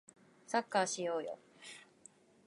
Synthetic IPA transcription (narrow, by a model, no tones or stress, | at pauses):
sakːaːɕijo̞ːjo̰